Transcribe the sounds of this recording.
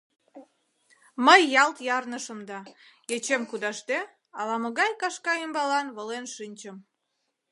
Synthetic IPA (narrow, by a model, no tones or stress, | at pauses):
məjːɑlt̪jɑrnəʃəmd̪ɑ | et͡ɕemkud̪ɑʃt̪e | ɑlɑməɣɑjkɑʃkɑembɑlɑnβəlenʃinʲt͡ɕəm